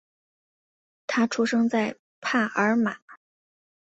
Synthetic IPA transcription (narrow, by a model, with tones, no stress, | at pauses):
t̪ʰa˥ʈ͡ʂʰu˥ʂɤ˥ŋt͡sa˥˧ɪ | pʰa˥˩ʔə˞˧˥ma˨˩˦